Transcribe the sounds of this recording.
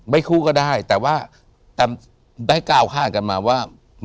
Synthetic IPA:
ma˥˩jkʰuː˥˩kɔː˥˩daː˥˩jt̪ɛː˨˩waː˥˩ | t̪ɛː˨˩ | daː˥˩jkaː˧wkʰaː˥˩ka˧nmaː˧waː˥˩ | m

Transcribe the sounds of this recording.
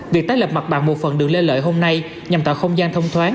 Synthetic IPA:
vi˨˩k̚t̪aː˦˥jlə˨˩p̚ma˨˩t̚ɓa̰ː˧˥nmo˨˩t̚fə˨˩nɗɨ˨˩ək̚le˧nlə̰ː˧˨jɦo˧mna˧j | ɲa˨˩mt̪aː˧˩xə˧wŋ͡mzaː˧nt̪ʰə˧wŋ͡mt̪ʰwaː˨˦n

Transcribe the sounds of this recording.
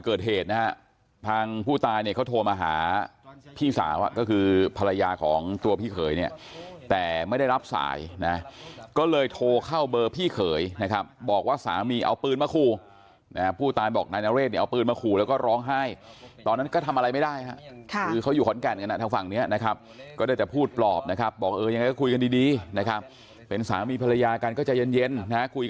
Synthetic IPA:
kɤː˨˩t̪̚ɦeː˨˩t̪̚na˦˥ɦa˦˥ | t̪ʰaː˧ŋpʰuː˥˩t̪aː˧jni˥˩kʰa˦˥˩wt̪ʰoː˧maː˧ɦa̰ː˩˦pʰiː˥˩sa̰ː˩˦wʔa̰˨˩kɔː˥˩kʰɯː˧pʰa˧la˧jaː˧kʰɔː˩˦ŋt̪u˧ɐpʰiː˥˩kʰɤː˩˦jni˥˩ɐt̪ɛː˨˩ma˥˩jda˥˩jɾa˦˥p̚sa̰ː˩˦jna˦˥kɔː˥˩lɤː˧jt̪ʰoː˧kʰa˥˩wbɤː˧pʰiː˥˩kʰɤː˩˦jna˦˥kʰa˦˥p̚bɔː˨˩k̚waː˥˩sa̰ː˩˦wmiː˧ʔa̰˧wpɯː˧nmaː˧kʰuː˧ | na˦pʰuː˥˩t̪aː˧jbɔː˨˩k̚naː˧jnaː˧˦weː˥˩t̪ni˥˩ʔa˧wpɯː˧nmaː˧kʰuː˧˩lɛ˦˥wkɔː˥˩ɾɔː˦˥ŋɦa˥˩jt̪ɔː˧nːa˦˥nkɔ˥˩t̪ʰa˧mʔa˧ɾa˧jma˥˩jdaː˥˩jɦa˦˥ʔkʰɯː˧kʰa˦˥wjuː˨˩kʰnkɛː˧nka˧na˦˧t̪ʰa˧ŋfa˨˩ŋni˦˥ɐna˦˥kʰa˦˥p̚kɔː˥˩daː˥˩jt͡ɕɛ˨˩pʰuː˥˩t̪̚plɔː˨˩p̚na˦˥kʰa˦˥p̚bɔː˨˩k̚ʔɤː˧ja˧ŋa˧kɔː˥˩u˧jka˧ndiː˧diː˧na˦˥kʰa˦˥p̚ː | e˧nsaː˩˦miː˧pʰa˧la˧jaː˧ka˧nkɔː˥˩t͡ɕa˨˩je˧nje˧nː˦˥kʰu˧jk

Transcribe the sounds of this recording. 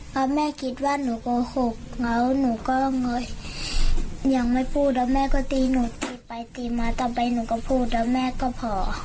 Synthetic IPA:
ka˧˦mɛː˧˥˨kʰi˧˦t̪̚waː˧˥˨nuː˨˦bɔː˧˦ho˧˩k̚ŋa˧˦wnuː˨˦kɔː˧˥˨ŋɔ˧˩˨j | ɲa˨˦ŋma˧˨jpʰuː˥˩t̪̚dɔ˧˩mɛː˧˥˨kɔː˧˩t̪iː˧˨nuː˨˩˦t̪iː˧pa˨jt̪iː˨maː˧t̪ɔː˧˩pa˨jnuː˨˦ka˧˩pʰuː˥˩˨t̪̚dɔ˧mɛː˧˥˨kɔː˧˥˨pʰɔː˨˦

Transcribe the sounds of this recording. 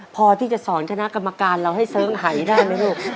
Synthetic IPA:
pʰɔː˧t̪ʰiː˥˩t͡ɕa˨˩sɔː˩˦ŋt̪ʰa˧na˦˥ʔka˧mːa˧kaː˧nɾa˧wɦa˥˩jsɤː˦˥ŋɦa˩˦jdaː˥˩jma˧˥˩luː˥˩k̚

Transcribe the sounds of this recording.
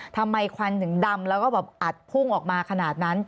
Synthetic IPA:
t̪ʰa˧mːa˧jkʰa˧nt̪ʰɯ˩˦ŋda˧mlɛː˦˥wkɔː˥˩bɛː˨˩p̚ʔa˨˩t̪̚pʰu˥˩ŋʔɔː˨˩k̚maː˧kʰa˧naː˨˩t̪̚na˦˥n

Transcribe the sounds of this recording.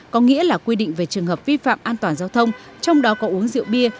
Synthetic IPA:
kɔ˨˦ŋḭ˧˥əlaː˨˩kwi˧ɗḭ̈˧˨ŋ̟ve˨˩t͡ɕɨ˨˩əŋhəː˨˩p̚vi˧fa̰ː˧˨mʔaː˧nt̪waː˨˩nzaː˧wt̪ʰə˧wŋ͡mt͡ɕɔ˧wŋ͡mɗɔ˨˦kɔ˨˦ʔu˨˦əŋzɨ̰˧˨əwɓi˧ə

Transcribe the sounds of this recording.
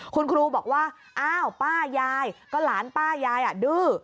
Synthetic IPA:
kʰu˧nkʰɾuː˧bɔː˨˩k̚waː˥˩ | ʔaː˧˥˩wpaː˥˩jaː˧jkɔː˥˩laː˩˦npaː˥˩jaː˧jʔa˨˩dɯː˧˥˩

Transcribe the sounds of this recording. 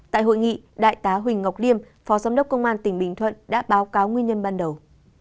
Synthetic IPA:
t̪a̰ː˧˨jho̰˧˨jŋḭ˧˨ɗa̰ː˧˨jt̪aː˨˦ɦwï˨˩ŋ̟ŋa˨˩wk͡p̚li˧əm | fɔ˨˦zaː˨˦mɗə˦˥k͡p̚kə˧wŋ͡mʔaː˧nt̪ï˧˩ŋ̟ɓï˨˩ŋ̟t̪ʰwə̰˧˨nɗa̰ː˧˥ɓaː˨˦wkaː˨˦wŋwi˧ənɲə˧nɓaː˧nɗə˨˩w

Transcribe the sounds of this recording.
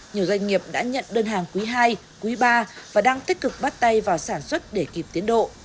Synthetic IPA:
ɲi˨˩əwzwa˧jŋ̟ŋi˨˩əp̚ɗa̰ː˧˥ɲə̰˧˨nɗəː˧nɦaː˨˩ŋkwi˨˦ɦaː˧j | kwi˨˦ɓaː˧vaː˨˩ɗaː˧ŋt̪i˦˥k̟̚kɨ˨˩k̚ɓaː˦˥t̚t̪a˧jvaː˨˩wsaː˧˩nswə˦˥t̚ɗe˧˩ki˨˩p̚t̪i˨˦ənɗo̰˧˨

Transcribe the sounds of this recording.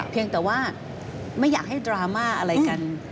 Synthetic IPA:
pʰi˧əŋt̪ɛː˨˩waː˥˩ | ma˥˩jːaː˨˩k̚ha˥˩jdɾaː˧maː˥˩ʔa˧ɾa˧jka˧n

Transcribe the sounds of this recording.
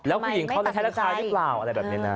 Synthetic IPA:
lɛː˦˥wkʰu˧˩ji˨˩˦ŋkʰa˧˩wla˧˩kʰa˦˥ɾa˦˥kʰaː˧ɾɯ˦˥plaː˨˩wʔa˧ɾa˧jbɛː˨˩ni˦˥˧na˦˥

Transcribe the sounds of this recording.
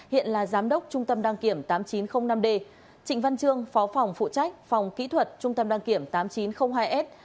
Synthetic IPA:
hḭ˧˨ənlaː˨˩zaː˨˦mɗə˦˥wk͡p̚t͡ɕʊ˧ŋ͡mt̪ə˧mɗaː˧ŋki˧˩əmt̪aː˨˦mt͡ɕi˨˦nxə˧wŋ͡mna˧mɗe˧ | t͡ɕï˧˩ŋ̟va˧nt͡ɕɨ˧əŋfɔ˨˦fa˨˩wŋ͡mfṵ˧˨t͡ɕa˦˥jk̟̚fa˨˩wŋ͡mkḭ˧˥t̪ʰwə˨˩t̚t͡ɕʊ˧ŋ͡mt̪ə˧mɗaː˧ŋki˧˩əmt̪aː˨˦mt͡ɕi˨˦nxə˧wŋ͡mɦaː˧jʔɛ˦˥t̚

